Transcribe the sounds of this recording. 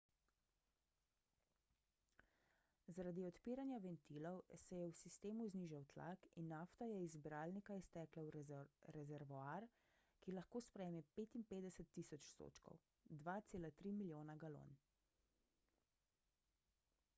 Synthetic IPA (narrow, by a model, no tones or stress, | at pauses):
zaɾaːd̪iɔt̪piːɾanjaʋɛnt̪iːlɔwsɛjɛwsist̪eːmuzniːʒawt̪la̰kinːaft̪ajɛizbɾaːlnikaist̪ɛːklawɾɛzɛɾʋɔaɾ | kilaxkoːspɾɛjemɛpeːt̪impeːd̪ɛsɛt̪ːisɔt͡ʃst̪o̰ːt͡ʃkɔ̰w | d̪ʋaːt̪seːlat̪ɾiːmiljoːnaɡalo̰n